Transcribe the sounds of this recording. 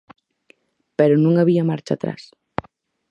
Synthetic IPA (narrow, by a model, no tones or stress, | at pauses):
pɛɾʊnũŋaβiamaɾt͡ʃa̰t̪ɾa̰s